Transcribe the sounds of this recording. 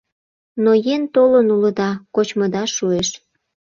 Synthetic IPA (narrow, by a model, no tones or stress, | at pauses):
nojent̪olənuləd̪ɑkot͡ɕməd̪ɑʃueʃ